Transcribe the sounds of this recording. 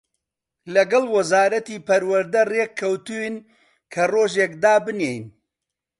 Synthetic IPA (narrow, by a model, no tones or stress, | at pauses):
lɐɡɐlˠwɐzaːɾɐt̪iːpɐɾwɐɾd̪ɐrekʰːɐwt̪uwn | kʰɐroːʒeːkd̪aːbɨnejn